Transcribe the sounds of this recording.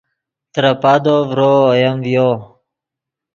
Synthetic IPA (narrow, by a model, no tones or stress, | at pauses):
t̪ɾapad̪ovɾoːjamvjo